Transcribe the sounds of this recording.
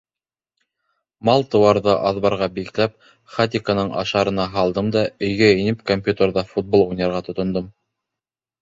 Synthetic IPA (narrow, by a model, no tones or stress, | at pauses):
mɑlˠt̪ɤ̆wɑɾðɤʔɑðβɑɾʁɑbiklæp̚ | χat̪ʲɪkanɤɴʔɑ̰ʃɑɾɤ̆nɑɦɑlˠd̪ɤmd̪ɑɵ̆jɡæɘ̆nɘpkomʲpʲjut̪ʲəɾðɑfut̪̚bolˠujnʲɑɾʁɑt̪ŏt̪ŏnd̪ɤm